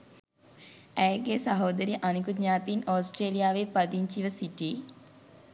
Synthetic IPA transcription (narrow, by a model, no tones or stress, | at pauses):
æjɡesɐɦoːd̪əɾiʔanik̬ud̪ɲaːt̪inoːsʈɾeːlijaːʋepad̪iɲt͡ʃiʋəsiʈi